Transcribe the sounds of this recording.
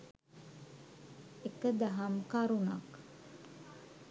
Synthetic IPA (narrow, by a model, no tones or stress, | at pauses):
ekəd̪aɦamkaɾuna̰k